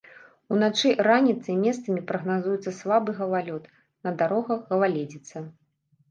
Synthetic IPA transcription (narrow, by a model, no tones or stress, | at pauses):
unat͡ʂɨranʲit̪sɨimʲɛst̪sɐmʲipɾɐɣnazujɛt̪sɐslˠabɨɣɐvalʲɔt̪ | nɐd̪aɾɔɣɐɣɐvalʲed͡zʲit̪sɐ